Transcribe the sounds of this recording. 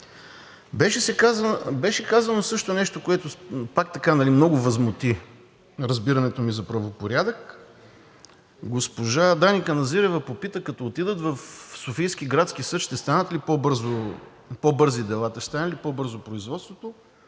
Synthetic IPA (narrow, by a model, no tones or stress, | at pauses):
bɛʃɛsɛkazbɛʃɛkazɐnosɤʃt̪onɛʃt̪okoɛt̪opak̚t̪ɐkanɐlimnɔɡʊvɐzmot̪i | ɾɐzbiɾɐnɛt̪omizɐpɾɐvopoɾʲad̪ək | ɡospoʒad̪anʲikənɐziɾɛvɐpopit̪əkɐt̪ɔot̪id̪ət̪vɐfsofijsk̟iɡɾat̪sk̟isɤtʃt̪ɛst̪anət̪lipɔbɤɾzo | pɔbɤɾzid̪ɛlˠat̪ɐʃt̪anəlipɔbɤɾzopɾoizvɔt̪st̪vot̪o